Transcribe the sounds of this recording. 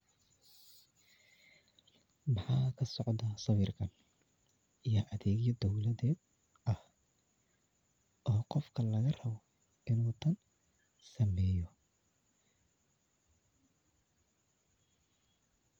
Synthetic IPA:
mɑħɑːkʰɐsɔʕd̪ɐsɑβirkʰɐn | ijɔʔɐðɛːɣjɐd̪ɔwlɐðɛːd̪̚ | ʔɐh | ʔɔːqɔfkʰɐlɐɣɐrɐβɔ | ɪnuːt̪ʰɐn | sɐmɛːjɔ

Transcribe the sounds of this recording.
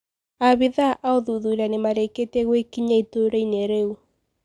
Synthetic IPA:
aβiðaʔaoðuðuɾanemaɾeketeɣwekiɲaitoɾeineɾeu

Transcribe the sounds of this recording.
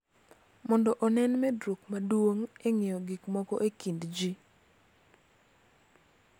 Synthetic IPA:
mɔndɔʔɔnɛnmɛdɾokmadwoŋeŋejɔɡikmɔkɔʔekindd͡ʒi

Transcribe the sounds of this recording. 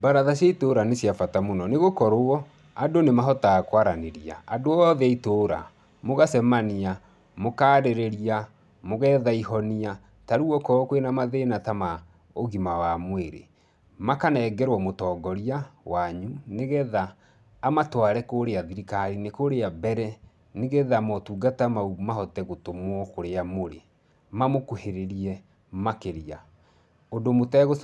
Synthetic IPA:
baɾaðasjaitoːɾanesjafatamonɔneɣokɔɾoɔ | adonemaɦɔtakwaɾaneɾia̰ːdoɔðɛitoːɾa̰ | moɣasɛmania | mokaːɾeɾeɾia | moɣɛðaihɔnia | taɾuɔkɔkwenamaðenatama | oɣimawamweɾḛ | makanɛːɡɛɾwɔmotɔːɡɔɾiawaɲuneɣɛðaː | matwaɾɛkoːɾeaðiɾikaɾinekoɾeabɛɾɛ | neɣɛðamɔtuːɡatamaumaɦɔtɛɣotomwɔkoɾeamoɾḛ | mamokoheɾeɾiɛ | makeɾia | ondomotɛɣo

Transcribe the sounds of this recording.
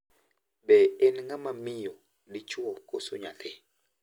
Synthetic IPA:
bɛɛnŋamamɪjo | dɪt͡ʃwɔkosuɲatʰɛ

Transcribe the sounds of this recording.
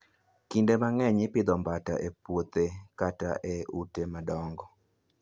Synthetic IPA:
kindemaŋɛɲɪpɪd̪ɔmbata̰ʔepwot̪ekataʔeutemadɔŋɡɔ

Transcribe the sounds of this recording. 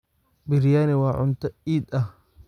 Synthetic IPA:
bɪɾjaːnɪwaːʕʊnt̪ɐiːd̪ɐ

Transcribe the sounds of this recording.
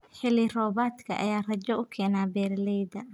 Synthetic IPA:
ħɪlirɔːbaːt̪kʰɐ̰ʔɐ̰jaːrɐd͡ʒɔʊkʰɛːnaːbɛːɾlɛjd̪ɐ

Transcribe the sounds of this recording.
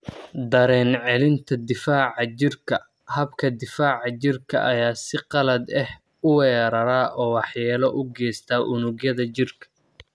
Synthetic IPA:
d̪ɐɾɛːnʕɛlɪnt̪ʰɐd̪ɪfaːʕɑt͡ʃɪrkʰɐ | hɐbkʰɐd̪ɪfaːʕɑt͡ʃɪrkʰɐ̰ʔɐjaːsɪqɑlɐd̪ɛh | ʊwɛːɾɐɾaːʔɔːwɑħjɛːlɐʔʊɡɛːst̪ʰaːʔʊnʊɡjɐðɐt͡ʃɪrkʰɐ̥

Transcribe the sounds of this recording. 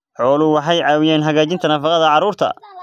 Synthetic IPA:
ħɔːlʊwɑħɑjʕɑːwɪjɛːnɦɐɣaːt͡ʃɪnt̪ʰɐnɐfɑqɐðɐʕɑɾuːrt̪ʰɐ̰

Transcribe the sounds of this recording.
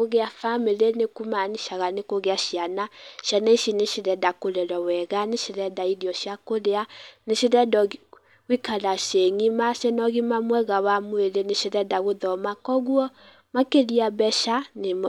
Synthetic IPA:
oɣeafameɾenekumaniʃaɣanekoɣeaʃianaʃjanaiʃineʃeɾɛdakoɾɛɾɔwɛɣaneʃeɾɛdaiɾiɔʃiakoɾeaneʃeɾɛdɔ | wikaɾaʃeŋimaʃɛnɔɣimamwɛɣawamoeɾeneʃeɾɛdaɣoðɔmakɔɣwɔ | makeɾiabɛʃanem

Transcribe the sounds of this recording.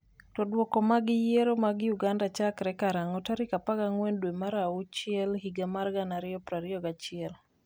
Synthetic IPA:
tɔdwɔkɔmaɡɪjeɾomaɡjuɡandat͡ʃakɾɛkaɾaŋɔtaɾikapaɡaŋwɛndwemaɾaut͡ʃɪɛlɦiɡamarɡanaɾɪɔpɾaɾɪɔɡat͡ʃɪɛl

